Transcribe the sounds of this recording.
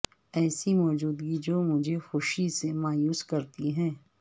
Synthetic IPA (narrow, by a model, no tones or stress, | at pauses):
ɛːsimɔːd͡ʒuːd̪ɡid͡ʒoːmʊd͡ʒʱexʊʃisemaːjuːskɐɾt̪iɦɛ̃ː